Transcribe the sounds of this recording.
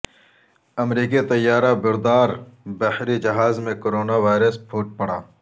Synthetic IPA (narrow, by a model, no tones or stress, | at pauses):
ɐmɾiːkit̪ɐjːaːɾabɪɾd̪aːɾbɐhɾid͡ʒɐɦaːzmẽkoɾoːnaʋaːɪɾəspʰuːʈ̚pɐɽa̰ː